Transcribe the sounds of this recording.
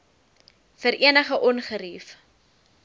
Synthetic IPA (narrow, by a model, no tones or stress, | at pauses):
fəɾʔiənəχəʔɔnχəɾif